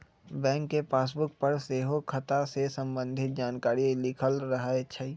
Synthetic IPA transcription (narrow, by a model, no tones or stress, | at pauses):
bɛ̃ːŋkːepaːs̬bʊk̚pəɾseːɦokʰːɐt̪asesə̃mbə̃nd̪ʱɪt̪̚d͡ʒaːnkaːɾilɪkʰəlɾɐɦaeɐtːʃʰaːiː